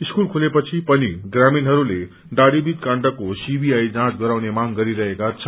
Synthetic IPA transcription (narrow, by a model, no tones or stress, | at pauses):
iskulkʰulepʌt͡sʰipʌniɡraminɦʌɾule | ɖaɽibit̪̚kãɳʈʌkːosibiajd͡zãtɡʌɾawnemaŋɡʌɾiɾʌɦekat͡sʰʌ